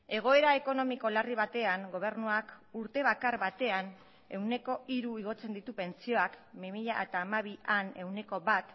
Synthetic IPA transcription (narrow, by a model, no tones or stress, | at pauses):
e̞ɣ̞o̞e̞ɾaeko̞no̞miko̞lariβ̞at̪e̞aŋɡo̞β̞e̞rnuakuɾt̪e̞β̞akaɾβat̪e̞an | e̞wne̞ko̞ʔiɾuiɣ̞o̞t͡se̞nd̪it̪upe̞nt͡sio̞akmimiʎaet̪aːmaβiane̞wne̞ko̞βat̪